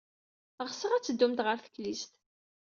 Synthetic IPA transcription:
ʁsəʁæt͡sːəd̪ːumt̪ʁəɾθə̥klist̪

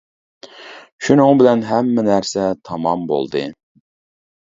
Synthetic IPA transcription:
ʃunʊŋbɪlɛnɦɛmːɛnæɾsɛt̪ʰɑmɑmbo̰lˠd̪ɨ

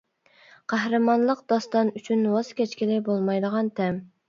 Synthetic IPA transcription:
qʰæhɾɨmɑnlˠəqd̪ɑst̪ɑnyt͡ʃʰynwɑz̥kʲɛt͡ʃkʲilɪbolˠmɑjd̪əʁɑnt̪ʰɛm

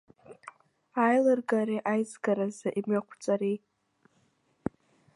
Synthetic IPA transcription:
ajlɨrɡaɾeʔajzɡaɾazaʔimɥakʷʰt͡sʷʼaɾej

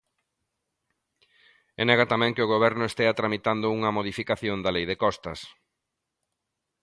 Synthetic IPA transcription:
enɛɣat̪amɛ̃ŋkɪoɣ̞oβ̞ɛɾnʊest̪eat̪ɾamit̪and̪ʊuŋɐmoðifikaθjond̪alejðɪkɔst̪ɐ̰s

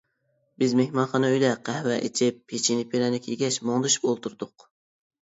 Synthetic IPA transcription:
bɪzmehmɑnχɑnɨøjd̪ɛqʰæhwɛʔḛt͡ʃʰɪpːet͡ʃʰinɪpʰelɛnɪkʲʰeɡʲɛʃmoŋd̪ɨʃy̥polˠt̪uɾd̪ʊq

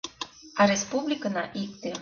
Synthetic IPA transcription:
aɾespublʲikənaʔik̚t̪e

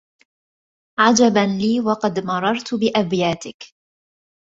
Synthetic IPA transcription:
ʕad͡ʒabanliːwɑqɑd̪mɑɾˤɑɾˤt̪bɪʔabjaːt̪ɪk

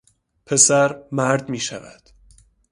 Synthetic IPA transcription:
pʰe̞sæɾmæɾd̪miːʃæ̰væ̰d̪̥

